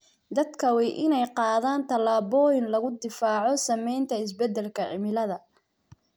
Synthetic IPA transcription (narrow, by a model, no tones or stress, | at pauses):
d̪ɐd̪kʰɐwɛʔɪnɛjqɑːðaːnt̪ʰɐlaːβɔːjɪnlɐɣʊd̪ɪfaːʕɔsɐmɛjnt̪ʰɐɪs̬bɛd̪ɛlkʰɐʕɪmɪlɐðɐ